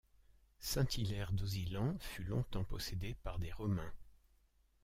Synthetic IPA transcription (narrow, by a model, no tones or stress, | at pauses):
sɛ̃t̪ilɛʁd̪ozilɑ̃fylɔ̰̃t̪ɑ̃pɔsed̪epaʁd̪eʁɔmɛ̃